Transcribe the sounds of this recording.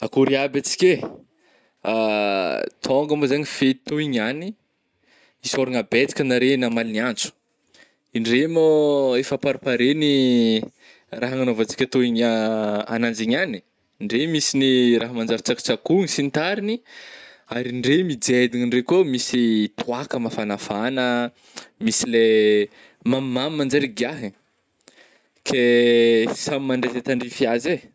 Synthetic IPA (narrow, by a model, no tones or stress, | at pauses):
akuɾiabat͡si̥kʲe | a | t̪ʰoŋɡamazaɲifet̪oiɲani | isoɾiŋabet͡si̥kʲanaɾenamaliniant͡su̥ | iɳɖ͡ʐemoefapaɾipaɾeni | raɦaŋanovat͡si̥kʲət̪oiɲaa̰nand͡ʒiɲani̥ | ɳɖ͡ʐemisiniɾaɦəmand͡ʒaɾit͡saki̥t͡sakuŋisint̪aɾini | aɾiɳɖ͡ʐemid͡zed̪iɲiɳɖ͡ʐekomisit̪uakəmafanafanə | misile | mammammand͡ʒaɾiɡaɦi | kʰe | samimaɳɖ͡ʐezat̪aɳɖ͡ʐifiaze